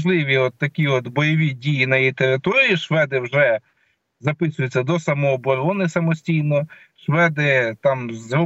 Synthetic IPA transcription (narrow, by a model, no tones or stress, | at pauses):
ʒlˠɪʋʲiɔt̪ːɐkʲiɔt̪bɔjɔʋʲidʲijinɐjijt̪eɾɪt̪ɔɾʲiːʃʋɛd̪ɪwʒɛ | zɐpɪsʊjɪt͡sʲːɐd̪ɔsɐmɔɦɔbɔɾɔnɪsɐmɔsʲtʲijnɔ | ʃʋɛd̪ɪt̪ɑmzɔ